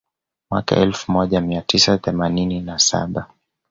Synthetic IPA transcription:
mwa̰ka̰ʔɛlfumɔʄamiatʰisaθɛmanininasa̰ɓa

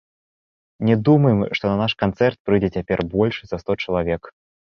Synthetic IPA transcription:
nʲɛd̪umɐjɛmʂt̪ɔnɐnaʂkant̪sɛrt̪̚pɾɨjd͡zʲɛt͡sʲapʲɛrbɔlʲʂɨzɐst̪ɔt͡ʂɐlˠavʲɛk

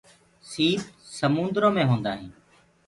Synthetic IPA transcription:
siːt̪səmʊ̃ːnd̪ɾõːmẽːɦõːnd̪aːɦĩː

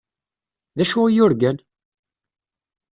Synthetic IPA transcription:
ðæʃʊʁjʊɾɡən

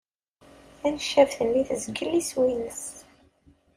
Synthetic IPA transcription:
ænʃævθənːiθəzɡəlːiswinəs

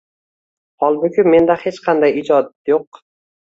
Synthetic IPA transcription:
hɒlˠmʊkʲʰɪmːe̞nd̪ahe̞t͡ʃqʰɑnd̪ajɪd͡ʒɒd̪̚joq̚

